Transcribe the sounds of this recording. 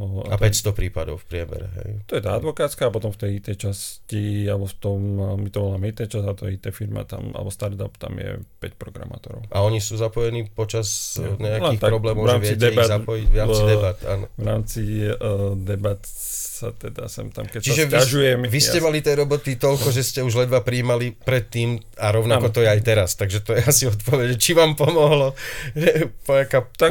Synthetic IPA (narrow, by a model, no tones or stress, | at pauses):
at̪pɛcst̪ɔpɾiːpad̪ɔʊfpɾɪɛmɛ̰ɾɛ̰ɦɛ̰jt̪ɔjɛt̪a̰ːad̪ʋɔkaːt͡skaːpɔt̪ɔmft̪ɛjit̪ɛjt͡ʃascialbɔft̪ɔmmit̪ɔɔlaːmɛit̪ɛt͡ʃazat̪ɔjɛit̪ɛfiɾma̰t̪a̰ma̰lɛbɔst̪aɾt̪apt̪a̰mjɛ̰pɛcpɾɔɡɾa̰ma̰ːt̪ɔɾɔ̰ʊʔaɔɲisuːzapɔjɛniːpɔt͡ʃazɲɛaklɛnit̪akɾɔblɛːmmɔvɾaːmʋɛid̪ɛbazapɔjivad̪ɛbat̪aːnɔvɾaːmt͡si | d̪ɛbat̪ | sat̪ɛd̪a̰sɛmt̪amkɛt͡ʃiʒɛaʒujɛmʋisscɛmalit̪ɪɛɾɔbɔt̪it̪ɔlkɔʒɛscɛuʒlɛd̪ʋapɾiːmalipɾɛt̪ːiːmaɾɔʊnakɔt̪ɔjɛajt̪ɛɾast̪aɡʒɛt̪ɔjɛasiɔt̪pɔʋɛɟɛt͡ʃiʋaːmpɔmɔɦlɔ | pɔakat̪a